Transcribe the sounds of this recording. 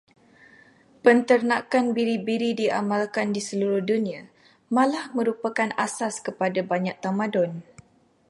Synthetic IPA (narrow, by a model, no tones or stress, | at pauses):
pənt̪ərnakanbiɾibiɾidiʔa̰mãlkandisəluɾʊhdunĩa | mãlahmə̃ɾupakana̰saskəpadabaɲak̚t̪amãdɔn